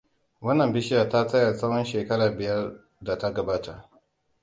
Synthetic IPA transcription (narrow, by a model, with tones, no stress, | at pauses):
wɐ˦nːɐ˨mbɪ˦ʃɪ˦jaː˨ta˦sɐ˦ja˨sɐ˦whɔ˦nʃeː˨kɐ˦ɽaː˨bɪ˨jɐ˦r | da˨ta˦ɡɐ˨baː˦ta˨ʔ